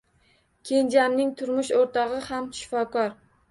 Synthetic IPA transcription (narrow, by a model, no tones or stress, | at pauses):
kʲʰe̞nd͡ʒamnɪŋt̪ʰʊɾmʊʃoɾt̪ʰɒʁɨhamʃɪ̥fɒkɒɾ